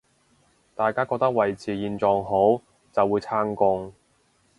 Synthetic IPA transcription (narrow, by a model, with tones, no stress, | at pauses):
t̪aː˨jkaː˥kɔː˧k̚t̪ɐ˥k̚wɐ˨jt͡siː˨˧jiː˧nt͡sɔː˨˧ŋɦo˨˥w | t͡sɐ˨wːuː˨˧jt͡sʰaː˥ŋkʊ˧ŋ